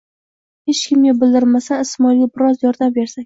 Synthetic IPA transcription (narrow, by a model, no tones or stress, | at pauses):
het͡ʃkʲʰɪmɡʲabɪld̪ɪɾmasanɪsmɒjlibɪɾɒzjɒɾd̪ambe̞ɾsakʲ